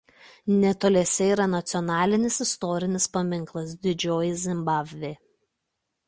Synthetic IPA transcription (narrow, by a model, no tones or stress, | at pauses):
nʲɛt̪oːlʲɛsʲɛiːˑɾɐnɐt̪sʲɪɔnɑːlʲɪnʲɪsɪst̪ɔɾʲɪnʲɪspɐmʲɪŋklˠɐsd̪ʲɪd͡ʒʲoːjɪzʲɪmbɑːbʲʋʲeː